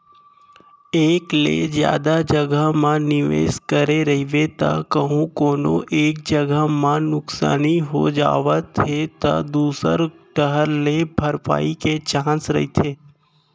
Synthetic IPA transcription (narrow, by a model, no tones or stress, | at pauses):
eklḛd͡ʒja̰d̪ad͡ʒəɡʱamãniʋḛskəɾeɾəɦiʋet̪a̰kəɦũkonoʔek̚d͡ʒəɡamãnʊksa̰niɦod͡ʒa̰ʋat̪ʰet̪a̰d̪usə̰ɾ | ʈəɦəɾnebʱəɾpa̰iket͡ʃãsɾə̰ɦit̪ʰe